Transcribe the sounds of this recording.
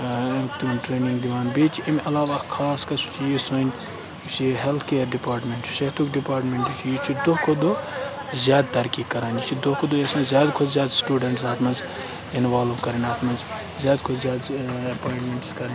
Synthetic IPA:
t̪ʈɾeːnĩŋɡd̪iʋaːnbeːt͡ʃʰemɐlaːʋakʰaːskɐsut͡ʃʰijison | siɦelt̪ʰkeːɾɖipaːɾʈmeɳʈsʃet̪ʰukɖipaːɾʈmeɳʈut͡ʃʰjit͡ʃʰid̪okʰod̪oː | zʲjaːd̪̚t̪ɐɾkiːkkɐɾaːnit͡ʃʰid̪okʰod̪oːjɐsɐ̃zʲjaːd̪kʰʊd͡ʒzjaːd̪sʈuːɖɐɳʈsaːt̪mɐz | inʋaːlʋkɐɾɐnaːt̪ʰmɐz | zjaːd̪kʰʊt͡ʃzʲjaːd̪ɐpaːiɳʈmeɳʈskɐɾẽn

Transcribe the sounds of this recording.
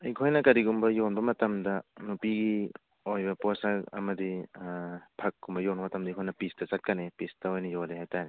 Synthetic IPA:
ikʰɔjnɐkɐɾiɡumbɐjɔnbɐmɐtɐmdɐnupiɡi | ojbɐpɔsaɐ̰mɐdi | pʰɐkːumbɐjɔnmɐtɐmdɐikʰɔjnɐpistɐt͡ʃat̚kanepistɐojnɐjoleɦajtane

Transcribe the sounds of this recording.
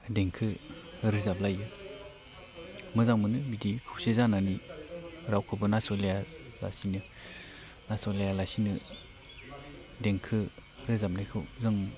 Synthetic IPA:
deŋkʰɯɾizap̚lajɯ | mɯzaŋmɯnɯmidikʰɯwsezanani | ɾawkʰɯbɯnasolejaza̰sinɯ | nasɔlejalasinɯ | deŋkʰɯɾɯzap̚lajkʰɯwzɯŋ

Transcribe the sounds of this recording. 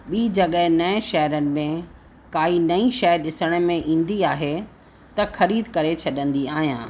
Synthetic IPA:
ɓiːd͡ʑɐɠəɦɪ̃nɐɪ̃ʃɐɦɾənɪ̆mẽ | kaːinɐĩʃɛɦɾɗɪsəɽ̃̆mẽʔĩːnd̪iaːɦe | t̪ɐxɐɾiːd̪kɐɾet͡ɕʰɐɗə̃nd̪iaːɦijã̰ː

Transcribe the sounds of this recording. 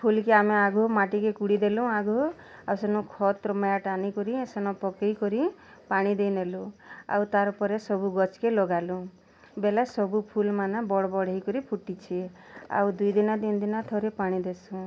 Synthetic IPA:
pʰulkeameaɡʱumaʈikekuɽid̪elũaɡʱɔ | awsenɔ̃kʰɔt̪ɾɔmajaʈanikɔɾisenɔpɔkejkɔɾi | paɽ̃id̪ejnelũa̰wt̪aɾɔpɔɾesɔbuɡɔt͡ʃkelɔɡalũ | belasɔbupʰulmanabɔɽɔbɔɽ̤eikɔɾipʰuʈit͡ʃʰi | a̰wd̪ujd̪inɔt̪ind̪inat̪ʰɔɾepaɽ̃id̪esũ

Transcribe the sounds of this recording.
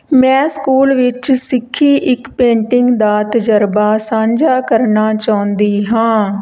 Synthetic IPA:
mɛ̃ːskuːlʋɪt͡ʃsɪkʰːiːʔɪkpẽːɳʈɪŋɡd̪aːt̪d͡ʒəɾbaːsãːɲd͡ʒaːkəɾnaːt͡ʃaːʊ̃nd̪iːɦãː

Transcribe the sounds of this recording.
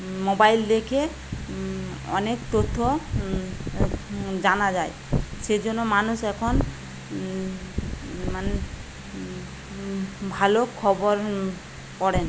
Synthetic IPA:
mobaild̪ekʰe | ɔ̰nekt̪ot̪ʰːɔ | d͡ʒanad͡ʒaj | sed͡ʒɔnːɔmanusɛkʰɔn | mane | bʱalokʰɔbɔɾ | kɔɽen

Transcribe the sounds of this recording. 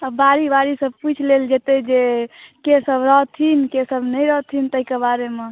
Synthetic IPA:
əbaɾibaɾisəb̚put͡ʃʰleld͡ʒet̪ed͡ʒekesəbɾəɦt̪ʰinkesəbnəjɾəɦt̪ʰint̪əikebaɾeme

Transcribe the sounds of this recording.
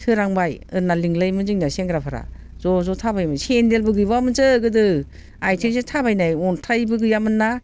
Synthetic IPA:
tʰɯɾaŋbajɯnaliŋlɯjmɯzɯŋnaseŋɡɾapʰaɾa̰ | zɔzɔtʰabajmɯsendelbɯɡɯjbamɯnzɯɡɯdɯ | ajtʰɯzetʰabajnajɔntʰajbɯɡɯjamɯnːa

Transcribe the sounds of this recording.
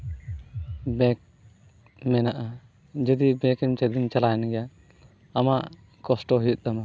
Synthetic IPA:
bɛk̚ | mɛnaʔa | d͡ʒəd̪ibɛkɛnt͡ʃəd̪int͡ʃalajɛnɡɛja | amaʔ | kɔsʈɔɦujut̪̚ˀd̪ama

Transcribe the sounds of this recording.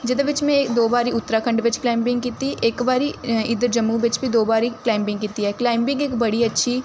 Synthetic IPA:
d͡ʒɪd̪ʋɪt͡ʃmẽeːkd̪oːbaːɾiʊt̪ːɾakʰɐ̃ɳɖʋɪt͡ʃklaːɪ̃mpɪ̃ŋɡkiːt̪iʔeːkbaːɾiɪd̪əɾd͡ʒɐmːubɪt͡ʃbʱid̪oːbaːɾiklaːɪ̃mpɪ̃ŋɡkiːt̪iɦɛklaːɪmpɪ̃ŋɡeːkbɐɽiɐtːʃʰi

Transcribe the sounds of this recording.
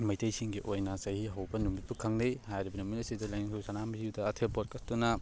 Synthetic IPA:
mɐjtʰɐjsiŋɡiʔojnɐsɐhiɦɐwbɐnumit̚pukʰaŋnejhajɾibɐnuminɐsidɐlɐjnikʰusanamiziuwdɐːtʰebot̚kɐstunɐ

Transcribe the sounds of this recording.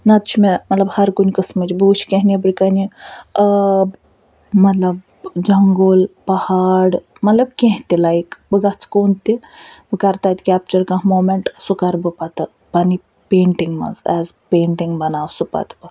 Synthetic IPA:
nat̪t͡ʃʰimemɐt̪lɐbhɐɾkunʲkɐsməd͡ʒbut͡ʃʰkʲẽɦnibɾkani | b | mɐt̪lɐb | d͡ʒɐŋɡolpɐhaɽ | mɐt̪lɐbkʲẽɦt̪elaikbəɡat͡skoːnt̪e | bəkaɾt̪at̪kʲap̚t͡ʃɐɾkãmoːmeɳʈsukaɾbəpat̪ɨ | pani | peːɳʈiŋɡmɐ̰zɛ̰zpeːɳʈiŋɡbɐnaːwsupa̰t̪bə

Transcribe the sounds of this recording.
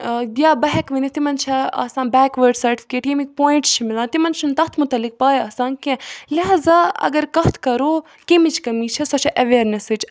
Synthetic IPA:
d̪ʲjaːbɐɦɛkʋɐnit̪imɐnt͡ʃʰɐa̰ːsaːnbɛːkʋəɾɖsɐɾʈifʰi̥keːʈkʲemik̚poːĩɳʈst͡ʃʰimilaːt̪imɐnt͡ʃʰunt̪ɐt̪ʰmʊt̪ɐlːik̚paːjaːsaːnkẽliɦaːzaːɐ̰ɡɐɾkɐɦt̪ʰkɐɾoː | kemit͡ʃʰkɐmiːt͡ʃʰɐsɐt͡ʃʰɐʔɐʋeːɾnesit͡ʃ

